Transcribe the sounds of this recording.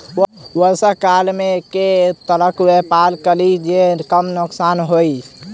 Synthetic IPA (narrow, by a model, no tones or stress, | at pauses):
wəsəkalmeket̪ələkwepalkəlid͡ʒekəmnʊksanɦoj